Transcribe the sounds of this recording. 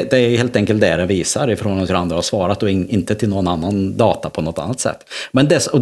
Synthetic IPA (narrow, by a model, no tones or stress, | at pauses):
d̪ɛæɾjɵheːlt̪ɛŋkəlt̪̚d̪ɛɖɛviːsaɾɪfɾoːɡamt̪ʰɪland̪ɾahaɾʂvɑːɾat̪̚d̪ɔɪɪnt̪ət̪ʰɪloːɡɔnanːand̪ɑːt̪apʰɔnɔt̪ːa̰nːat̪sɛ̰t̪ːmɛnd̪ɛsɔ